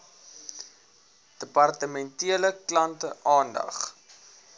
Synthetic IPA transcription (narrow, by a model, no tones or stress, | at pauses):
d̥əpɐrtəmɛntiələklɐntəʔɑːndɐ̰χ